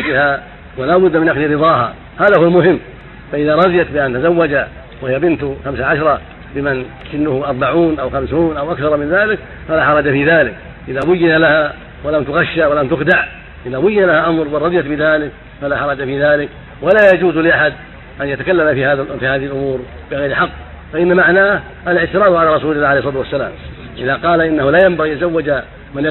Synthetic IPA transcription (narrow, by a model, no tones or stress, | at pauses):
d͡ʒɪha | walaːbʊd̪ːmɪnʔaxd̪iɾɨðˤɑːɦa̰ | haːðahʊwalmʊhɪmː | faʔɪðaɾˤɑðˤɪjat̪bɪʔant̪azawːad͡ʒa | wahɪjabɪnt̪ʊxamsaʕaʃɾˤɑ | bɪman | ʔɪnːʊhʊʔɑɾˤbaʕuːnʔawxamsuːnʔawʔakθɑɾˤmɪnðaːlɪk | falaːħɑɾˤɑd͡ʒafiːðaːlɪk | ʔɪðabʊjːɪnalaha | walamt̪ʊɣaʃːawalamt̪ʊxd̪aʕ | ʔɪðabʊjːɪnalahaʔamɾˤwɑrˤɑd̪ˤjat̪bɪðaːlɪk | falaħɑɾˤɑd͡ʒafiːðaːlɪk | walaːjad͡ʒuːzlɪʔaħad̪ | ʔanjat̪akalːamafihaːðfiːhaːðɪhɪlʔʊmuːɾ | bɪɣajɾħɑqː | faʔɪnːamaʕnaːh | ʔalɪʕt̪ɪɾˤɑːt̪ʕalaɾˤɑsuːlɪlːaːʕalejhsˤɑːt̪wasːala̰ːm | ʔɪðaqɑːlaʔɪnːahʊlaːjambaɣiʔt̪azawːad͡ʒa | mɪnj